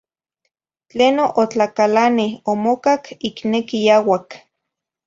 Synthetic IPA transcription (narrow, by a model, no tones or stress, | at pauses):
t͡ɬeːnoʔot͡ɬakalanihomokakiknekijawak